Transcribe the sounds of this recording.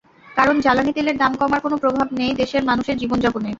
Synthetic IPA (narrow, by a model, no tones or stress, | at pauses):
kaɾond͡ʑalanit̪eleɾd̪amkɔmaɾkonopɾobʱabnejd̪eʃeɾmanuʃeɾd͡ʑibond͡ʑɔbone